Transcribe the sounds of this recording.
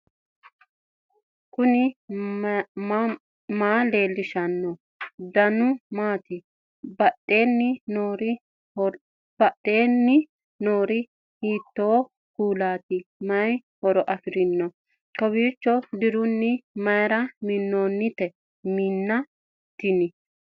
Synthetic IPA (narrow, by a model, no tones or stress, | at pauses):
kʊnɪ | maːle̞ːlːɪʃɐnːɔ | d̪ɐnʊmaːt̪ɪ | bɐɗe̞ːnːɪnoːɾɪ | b̥ɐɗːeːnːɪ | noːɾɪ | hiːt̪ːoː | kuːlaːt̪ɪmɐjhɔɾɔʔɐfɪɾɪnːɔ | kɔwiːt͡ʃːɔd̪ɪɾʊnːɪmɐjɾɐmɪnːoːnːɪt̪ɛ | miːnːɐ | t̪ːɪnɪ